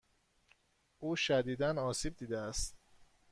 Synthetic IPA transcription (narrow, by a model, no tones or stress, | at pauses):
ʔuːʃæd̪iːd̪ænɒːsiːb̚d̪iːd̪eæst̪